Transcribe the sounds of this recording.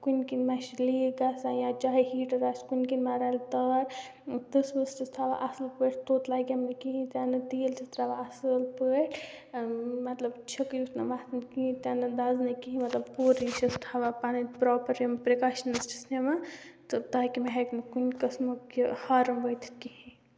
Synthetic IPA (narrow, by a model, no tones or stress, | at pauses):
kunkinmaʃliɡaːsajãt͡ʃaːɦihiːʈɐɾaskunkinmaɾalt̪ɐɾ | t̪ɨsbɐsʈist̪ʰaːʋa̰ʔɐsɨlpəʈʰt̪oːt̪laːɡʲɐmnɐkiɦĩt̪ʲaːnɐt̪iːlt͡ʃʰɐt̪ɾaːʋaɐsɨlpəʈʰ | mɐt̪lɐbt͡ʃʰɐkjut̪nɐmaːt̪nkiĩt̪anɐd̪aːznɐkiɦĩmɐt̪lɐbpuːɾisɐst̪ʰaːʋapaːnipɾɔːpɐɾɐmpɾekaːʃənɐsʈisnemat̪ɨt̪aːkimeɦeknɨkunkɐsmɐihaɾɐmbəjt̪ʰkihĩ